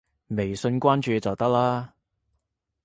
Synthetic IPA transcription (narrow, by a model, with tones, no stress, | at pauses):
me˨˩jsɵ˧nkʷaː˥nt͡ʃyː˨˧t͡sɐ˨wt̪ɐ˥k̚laː˥